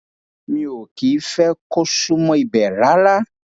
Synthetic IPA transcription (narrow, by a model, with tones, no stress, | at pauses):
mĩ˨˦wo˨ki˨˦fɛ˦ko˦su˦mɔ̃˦i˨bɛ˨la˦la˦